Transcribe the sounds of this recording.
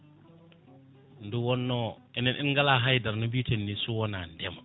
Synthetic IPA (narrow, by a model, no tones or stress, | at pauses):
nduwɔnːɔ | ɛnɛnʔɛ̰nŋɡalaɦajdaɾnɔbiːtenːisuwɔnandɛma